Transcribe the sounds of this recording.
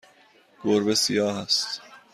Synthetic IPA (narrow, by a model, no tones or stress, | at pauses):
ɡ̥oɾbesijɒːhæst̪